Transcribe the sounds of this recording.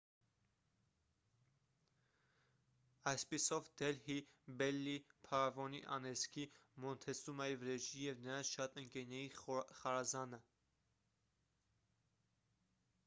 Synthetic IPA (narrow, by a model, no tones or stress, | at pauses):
ɑjspisɔvd̪̥ɛlhibɛlːipʰɑɾɑvɔnḭʔɑ̰nɛskʰimɔnt̪ʰɛsumɑjivɾɛʒijɛvnəɾɑnt͡sʃɑt̪əŋkɛɾnɛjiχɑɾɑzɑnə